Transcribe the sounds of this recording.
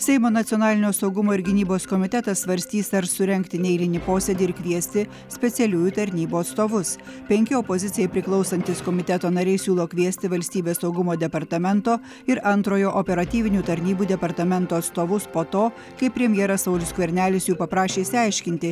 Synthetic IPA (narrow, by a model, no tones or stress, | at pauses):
sʲɛɪmoːnɐt̪ʲɪɔːnɑːlʲɪnʲoːsɒʊɡʊmoːɪɾɡʲɪnʲiːboːskɔmʲɪt̪ʲɛt̪ɐssʋɐɾʲsʲt̪ʲiːsɐɾsʊɾʲɛŋʲkt̪ʲɪnʲɛɪlʲɪnʲɪpoːsʲed̪ʲiɪɾkʋʲiɛsʲt̪ʲɪ | sʲpʲɛt̪sʲɛlʲuːjuːt̪ɐɾʲnʲiːbuːɐt̪st̪oːʋʊs | pʲɛŋʲkʲɪopozʲɪt̪sʲɪjɛɪpʲɾʲɪklˠɒʊsɐnʲt̪ʲɪskɔmʲɪt̪ʲɛt̪oːnɐɾʲɛɪsʲuːlˠoːkʲʋʲiɛsʲt̪ʲɪʋɐlʲsʲt̪ʲiːbʲeːssɒʊɡʊmoːd̪ʲɛpɐɾt̪ɐmʲɛnt̪oː | ɪɾɐnt̪ɾoːjoːʔopʲɛɾɐt̪ʲiːʋʲɪnʲuːt̪ɐɾʲnʲiːbuːd̪ʲɛpɐɾt̪ɐmʲɛnt̪oːɐt̪st̪oːʋʊspoːt̪oː | kɐɪpʲɾʲɛmʲjɛɾɐsɐʊlʲʊskʋʲɛɾʲnʲæːlʲɪsjuːpɐpɾɑːʃʲeːɪsʲɪɑˑɪʃʲkʲɪnʲt̪ʲɪ